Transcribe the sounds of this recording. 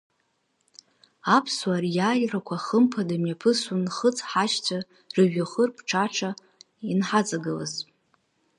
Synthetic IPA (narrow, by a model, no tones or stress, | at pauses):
apʰswarjaːjrakʷʰaχəmpʰadamjapʰɨsunχət͡sʰʼħat͡ʃt͡sʷʰa | rɨɥaχərpʰʈ͡ʂʰaʈ͡ʂʰa | inħad͡zʼaɡɨla̰z